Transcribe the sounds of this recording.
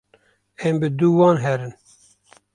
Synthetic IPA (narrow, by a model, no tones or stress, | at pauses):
ɛmbɨd̪uwɑːnɦɛɾɨn